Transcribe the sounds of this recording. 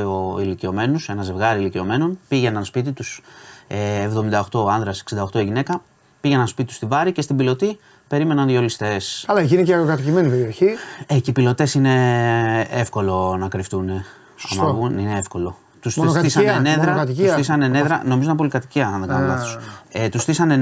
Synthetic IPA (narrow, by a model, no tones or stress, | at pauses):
oilicio̞me̞nuse̞nɐze̞vɣɐɾiilicio̞me̞no̞npiʝenɐnspit̪̬it̪useːvðo̞mind̪ɐoxt̪o̞ɐnðɾɐseksind̪ɐoxt̪o̞iʝine̞kɐ | piʝenɐnspit̪it̪u̥st̪ivɐɾice̞st̪ibilo̞t̪i | pe̞ɾime̞nɐnðjo̞list̪e̞sɐlɐecinecekɐt̪icime̞nipeɾio̞çieceipilo̞t̪e̞sine̞ | efko̞lo̞nɐkɾift̪une̞ | ɐ̰mɐvunineefko̞lo̞ | t̪usnskɐtisɐneneðɾɐkɐt̪iisθisɐneneðɾɐ̰no̞mizonɐpo̞likɐt̪i̥ciɐnðeɡɐnolɐθoset̪usθisɐne